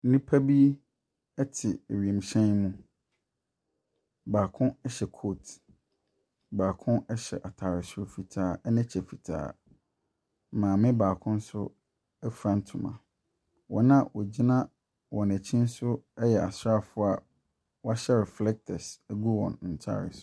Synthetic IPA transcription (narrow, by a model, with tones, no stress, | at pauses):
n̩˦nĩ˦pʰa˦bi˦ | ɛ˦tʰɪ˨e˨ɥi˨e˨m˨ɕɛ̃˦nmũ˦ | baː˨kʰʊ̃˦ɛ˦ɕɛ˨kʰoː˦˨t | baː˨kʰʊ̃˦nɛ˦ɕɛ̰˨ʔa˨tʰa˨ɾɪ˨sʊ˨fi˨tʰaː˨˦˨ɛ˦nɪ̃˦t͡ɕʰɛ˨fi˨tʰa̰ː˦˨ | mãː˨mɪ̃˦baː˨kʰʊ̃˦n̩˦sʊ˦ | ɛ˦fɾã˦n˦tʰũ˨mã̰˨ | wɔ̃˨nã˦wɔ˨d͡ʑi˦nã˦ | wɔ̃˨næ˨t͡ɕʰĩ˦n̩˦sʊ˦ɛ˦jɛ˨a˨sɾa˦fʊ˦a˦ | wɔ˦a˦ɕɛ˦ɾɛ˨flɛ˦k̚tʰɛ˨sæ˦ɡu˦wɔ̰̃˨n˨n̩˨tʰa̰˦˨ɾɪ̰˨sʊ̥˨˦